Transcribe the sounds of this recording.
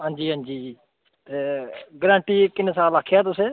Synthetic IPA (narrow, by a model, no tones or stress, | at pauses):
ɦãːnd͡ʒiːɦãːnd͡ʒiː | t̪eːɡɾãːɳʈiːkɪneːsaːlaːkʰjaːt̪ʊseː